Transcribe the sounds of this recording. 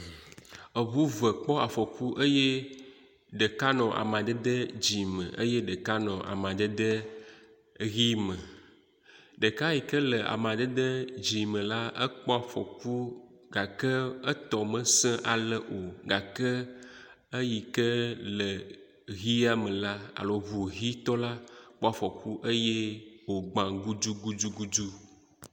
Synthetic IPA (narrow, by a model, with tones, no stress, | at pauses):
ə˨βu˦və˨k͡pɔ˦a˨fɔ˨ku˦ʔə˦je˦ | ɖə˨ka˦nɔ̃˨ʔa̰˨mã˨d̪ə˦d̪ə˦d͡ʑi˨mə̰̃˨ʔə˦je˦ɖə˨ka˦nɔ̃˨ʔa̰˨mã˨d̪ə˦d̪ə˦ | ɣi˦mə̃˨ | ɖə˨ka˦ji˨kə˦lə˨ʔa̰˨m˨ã˨d̪ə˦d̪ə˦d͡ʒi˨mə̃˨la˦ə˦k͡pɔ˦a˨fɔ̰˨ku˦ | ɡa˨kə˦ə˦t̪ɔ˨mə̃˨sɛ̃˦ʔa˨lə˨ʔo˨ɡa˨kə˦ | ə˦ji˨kə˦lə˨ | ɣi˦a˦mə̃˨la˦a̰˨lɔ˨vu˨ɣi˦t̪ɔ˦la˦k͡pɔ˦a˨fɔ˨ku˦ʔə˦je˦wo˨ɡ͡bã˨ɡu˦d͡ʒu˦ɡu˦d͡ʒu˦ɡu˦d͡ʒu˦